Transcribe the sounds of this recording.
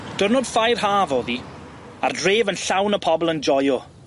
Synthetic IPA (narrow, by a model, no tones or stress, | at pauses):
d̥ʊrnɔd̥fajrɦaːvɔːði | ardreːvənɬawnəpʰɔbɔlˠənd͡ʒɔjɔ